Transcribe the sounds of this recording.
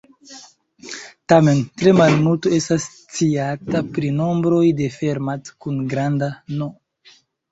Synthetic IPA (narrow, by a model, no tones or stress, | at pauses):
tame̞ntɾe̞malnutoe̞stas | t͡siatapɾino̞mbɾo̞jde̞fe̞ɾmat͡skunɡɾandano